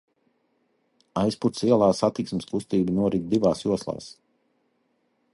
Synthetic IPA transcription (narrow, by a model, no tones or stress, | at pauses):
ajspuɾt̪siɛlˠaːsat̪iksmɪskust̪iːbinuɔɾid̪̚d̪ivaːsjuɔslˠa̰ːs